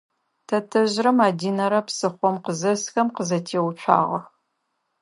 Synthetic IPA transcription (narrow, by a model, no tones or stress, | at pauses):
tʰɐtʰɨʑrɐmaːdiːnɐɾɐpsɨχʷɔmqəzɐsxɐmqəzɐtʰeːwʊt͡ʃʷʰa̰ːʁɐ̰x